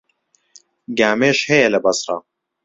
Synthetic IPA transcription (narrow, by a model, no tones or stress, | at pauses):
ɡaːmeːʃhɛjɛlɐbɐsrɑ̰